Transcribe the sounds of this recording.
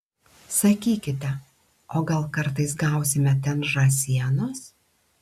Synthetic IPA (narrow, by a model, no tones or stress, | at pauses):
sɐkʲiːkʲɪt̪ʲɛ | oːɡɐlˠkɐɾt̪ɐɪsɡɐˑʊsʲɪmʲɛt̪ʲɛnʒɑsʲiɛnoːs